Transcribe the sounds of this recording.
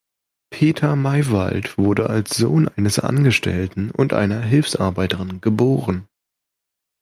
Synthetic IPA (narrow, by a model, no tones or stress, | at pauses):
pʰeːtʰɐmaɪva̰ltv̥ʊɐdəʔalsz̥o̰ːnʔaɪnəsʔa̰nɡəʃtʰɛ̰ltn̩ʊ̰ntʔa̰ɪnɐɦɪlfsʔaɐbaɪtəʁɪnɡəboːʁən